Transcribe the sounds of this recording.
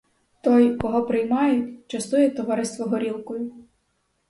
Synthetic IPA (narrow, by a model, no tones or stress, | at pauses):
t̪ɔjkɔɦɔpɾɪjmɑjʊtʲt͡ʃɐst̪ujɛt̪ɔʋɑɾɪst̪ʋɔɦɔɾʲilˠkɔjʊ